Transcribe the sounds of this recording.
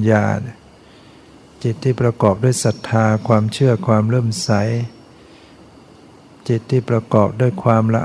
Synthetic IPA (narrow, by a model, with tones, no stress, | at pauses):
ja̰ː˧ | t͡ɕi˨˩t̪ʰːiː˥˩pɾa˧kɔː˨˩p̚du˥˩əjsa˨˩t̪ʰːaː˧kʰwaː˧mt͡ɕʰɯ˥˩ɐkʰwaː˧mɾɤː˥˩msa˩˦j | t͡ɕi˨˩t̪ʰːiː˥˩pɾa˧kɔː˨˩p̚du˥˩əjkʰwaː˧mɾa˧ʔ